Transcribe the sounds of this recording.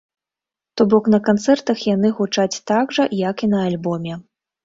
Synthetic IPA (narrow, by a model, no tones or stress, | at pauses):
t̪ɔbɔknɐkant̪sɛrt̪ɐxjanɨɣut͡ʂat͡sʲt̪aɡʐɐjɐkinɐalʲbɔmʲɛ